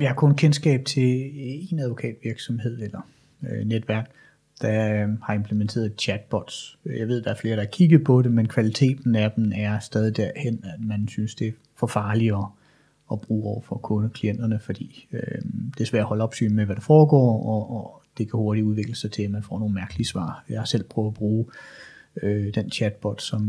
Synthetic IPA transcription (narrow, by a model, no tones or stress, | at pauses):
ʋihɑ̈kʰɔ̽nkʰensɡ̥ɛ̰ːb̥̚t͡sʰe̝le̝næð̞ˠʋo̝kʰɛ̰ːd̥ʋiɐɡ̥sɒ̽mɦe̝ð̞̰ˠelɐ | ned̥ʋæɐ̰ɡ̥ | d̥ɑhɑ̈e̝mpʰlement͡sʰe̝̰ːɐðˠt͡ɕʰæd̥̚b̥ɒd̥sjɑ̈ɪʋe̝ð̞̰ˠd̥æɐfle̝ɐɾɑ̈ækʰiɡ̥ð̩ˠpʰɒ̽de̝menkʰʋælit͡sʰe̝̰ːd̥n̩æd̥n̩æɐsd̥ɛːð̞ˠid̥æɐ̰hen̰æd̥mænsynsd̥e̝ɐ | fɒ̽fɑ̈ːliɐ | ɒ̽b̥ʁuːɒʊɐfɒ̽kʰɔnəkʰlien̰d̥ɐnəfɒ̽d̥ḭːød̥e̝sʋæɐ̰̥hɒ̽lɒ̽b̥sy̰ːnmeʋæɾ̥ɑfɒːɡ̥ɔ̰ːɒd̥e̝kʰæho̝ɐɾ̥iuð̞ˠʋe̝ɡ̥ləsɑɪt͡sʰe̝læmænfɒ̰ːno̝ːn̩mæɐɡ̥əliəsʋɑ̰̈ːjɑ̈hɑ̈sel̰pʰʁœʊɐb̥ʁuː | ød̥en̰t͡ɕʰæd̥̚b̥ɒ̽d̥sɒ̽m